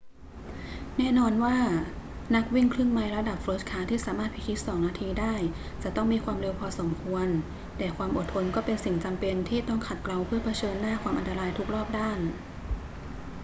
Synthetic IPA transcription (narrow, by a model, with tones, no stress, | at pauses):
nɛː˥˩nɔː˧nwaː˥˩na˦˥k̚wi˥˩ŋkʰlɯ˥˩ŋma˧˦˥jɾa˧da˨˩p̚fɾoː˦˥kʰaː˧˥t̪ʰiː˥˩saː˩˦maː˥˩t̪pʰi˧˥kʰi˦˥t̪̚sɔː˩˦ŋnaː˧t̪ʰiː˧daː˥˩j | t͡ɕa˨˩t̪ɔ˥˩ŋmiː˧kʰwaː˧mɾe˧wpʰɔː˧so˩˦mkʰu˧ən | t̪ɛː˨˩kʰwaː˧mʔo˨˩t̪ʰːo˧nkɔː˥˩pe˧nsi˨˩ŋt͡ɕa˧mpe˧nt̪ʰiː˥˩t̪ɔ˥˩ŋkʰa˨˩t̪̚kla˧wpʰɯ˥˩ɐpʰa˧t͡ɕʰɤː˧nːaː˥˩kʰwaː˧mʔa˧nt̪a˧ɾaː˧jt̪ʰu˦˥k̚ɾɔː˥˩p̚daː˥˩n